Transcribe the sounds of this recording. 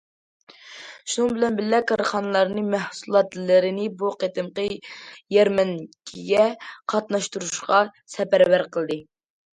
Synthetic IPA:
ʃunɨŋbɪlɛnbɪlːɛkʰɑɾχɑnɨlˠɑɾnɨmæhsulˠɑt̪lɪɾɪnɪbuqet̪ɨmqəjɛɾmɛnkʲʰiɡʲɛqʰɑt̪nɑʃt̪uɾuʃqɑsɛpæɾbæɾqəlˠd̪ɨ

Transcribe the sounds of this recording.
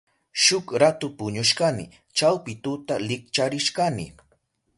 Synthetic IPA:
ʃʊkɾat̪ʊpʊɲʊʃkanɪ̰ | t͡ʃawpɪt̪ʊt̪alɪk̚t͡ʃaɾɪʃkanɪ̰

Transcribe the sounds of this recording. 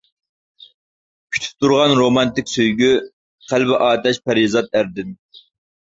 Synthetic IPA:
kʲʰy̥t̪ʰy̥p̚t̪uɾʁɑnɾomɑnt̪ɪkʲsøjɡʲy | qʰælbɪʔɑːt̪ɛʃpʰæɾizɑt̪̚æɾd̪ɪn

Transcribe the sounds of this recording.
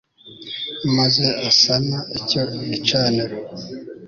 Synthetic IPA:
maze̞asanaicoit͡ʃaːneɾo

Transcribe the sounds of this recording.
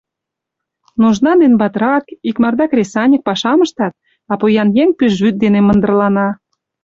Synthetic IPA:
nuʒnɑd̪enbɑt̪ɾɑkikmɑrd̪ɑkrʲesɑnʲək̚pɑʃɑmə̆ʃt̪ɑt̪̚ | ɑpojɑnjeŋpyʃβyt̪̚d̪enemə̆nd̪ə̆rlɑnɑ

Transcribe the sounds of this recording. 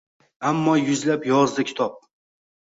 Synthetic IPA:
amːɒjʊzlapjɒɾzɨkʲʰɪ̥t̪ʰɒp̚

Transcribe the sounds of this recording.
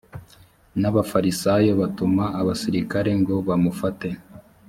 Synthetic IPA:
naβafaɾisajo̞βatumaːβasiɾikaɾe̞ŋɡo̞βamufate̞

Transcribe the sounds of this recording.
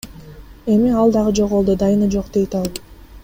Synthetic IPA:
e̞miɑlˠd̪ɑʁɯd͡ʒo̞ʁolˠd̪ud̪ɑjɨnɯd͡ʒo̞qd̪e̞jt̪ɑlˠ

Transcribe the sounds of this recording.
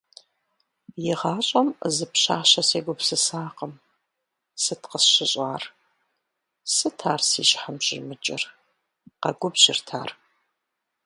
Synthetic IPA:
jɪʁɑːɕʼɐmzɨpɕaːɕɐseːɡʷʊpsɨsaːqəm | sɨtʰqəsɕɪɕʼaːr | sɨtʰaːrsḭːʃħamɕʼɪrmɨt͡ʃʼɪ̰r | qɐɡʷʊbʑɪrtʰa̰ːr

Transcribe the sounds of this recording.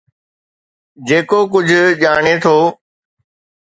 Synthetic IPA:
d͡ʑeːkoːk̬ʊd͡ʑʱʄaːɳ̃et̪ʰoː

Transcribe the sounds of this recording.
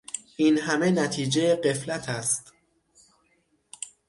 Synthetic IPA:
ʔiːnɦæmenæt̪ʰiːd͡ʒejeɢe̞flæt̪ʰæst̪

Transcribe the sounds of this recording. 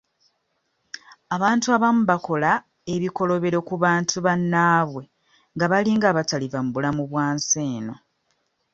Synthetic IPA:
aβaːntuaβamuβako̞la | eβiko̞lo̞βe̞ɾo̞kuβaːntuβanːaːβwe̞ | ŋɡaβaliːŋɡaːβatalivamuβulamuβwaːnseːno̞

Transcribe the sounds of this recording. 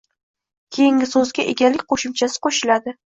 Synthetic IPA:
kʲʰe̞jɪŋʲɪsɵzɡʲaʔḛɡʲalɪkʲqʰoʃɪmt͡ʃʰasɪ̥qʰoʃɪlad̪ɪ

